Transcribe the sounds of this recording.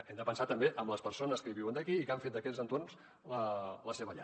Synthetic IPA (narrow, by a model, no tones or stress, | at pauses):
ɛmd̪əpənsat̪əmbeʔəmləspəɾsonəskəiβiwənd̪əkiːkaɱfet̪̚d̪əkɛzənt̪orns | lələseβəʎa̰